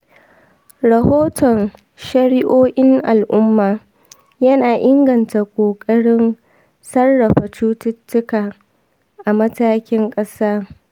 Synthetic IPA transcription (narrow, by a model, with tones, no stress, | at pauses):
ɾɐ˨hoː˦tʰɔ˨n | ʃɐ˦ɽɪ˦ʔoː˦ʔɪ˦ŋʔa˨lʔʊ˦mːaː˨ | jɐ˦naː˨ʔɪ˦ŋɡɐ˨nta˨kʷʼoː˨kʼɐ˦ɽɪ˦n | sɐ˦rːɐ˨ɸa˨t͡ʃuː˦tɪ˦tːʊ˦kaː˨ | ʔa˨mɐ˦taː˦kʲɪ˦ŋkʼɐ˦saː˦